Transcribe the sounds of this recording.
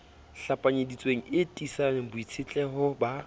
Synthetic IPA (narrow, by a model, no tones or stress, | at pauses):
ɬapʼaɲedit͡sʼweŋ̩ɪtʼisanebʊit͡sʰɪt͡ɬʼɛɦʊba